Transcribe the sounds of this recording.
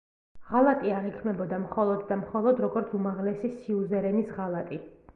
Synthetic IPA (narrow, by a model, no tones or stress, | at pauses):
ʁalˠat̪ʼiaʁikʰmɛbɔd̪amχɔlˠɔd̪d̪amχɔlˠɔd̪ɾɔɡɔɾt̪sʰumaʁlɛsisiuzɛɾɛnisʁalˠat̪ʼi